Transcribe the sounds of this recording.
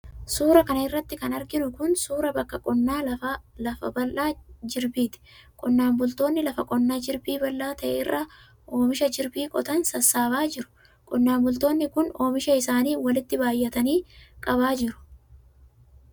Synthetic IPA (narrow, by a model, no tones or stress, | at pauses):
suːɾɐkɐnɐɪrːɐt̪ːɪkɐnɐɾɡɪnʊkʊnsuːɾɐbɐkːɐkʼɔnːaːlɐlɐfɐbɐlʔaːd͡ʒɪɾbiːt̪ɪ̥kʼɔnːaːmbʊlt̪o̞ːnːɪlɐfɐkʼɔnːaːd͡ʒɪɾbiːbɐlːaːt̪ɐʔɛ̰ɪ̰rːa | ʔo̞ːmɪʃɐd͡ʒɪɾbiːkʼɔt̪ɐnsɐsːaːbaːd͡ʒɪɾʊ̥ | kʼɔnːaːmbʊlt̪o̞ːnːɪkʊno̞ːmɪʃɐɪsaːniːwɐlɪt̪ːɪbaːjːɐt̪ɐniːkʼɐβaːd͡ʒɪɾʊ̥